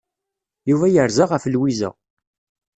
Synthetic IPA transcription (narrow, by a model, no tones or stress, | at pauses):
juvæjəɾzaʁəflwizə̰